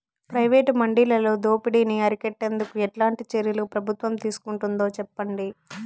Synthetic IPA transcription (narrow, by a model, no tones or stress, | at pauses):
pɾɐjʋeːʈmɐɳɖiːlɐloːd̪o̞ːpiɽiniɐɾikɛʈːe̞nd̪ukuɛʈlaːɳʈit͡ʃeɾjɐlupɾɐbʱut̪ʋɐmt̪iːsu̥kuɳʈund̪o̞ːt͡ʃɛpːɐɳɖi